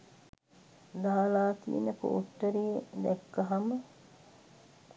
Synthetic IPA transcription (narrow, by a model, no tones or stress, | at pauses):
d̪aɦalaːt̪ḭḛnəpo̰ːʈːəɾied̪ɛkːɐɦamə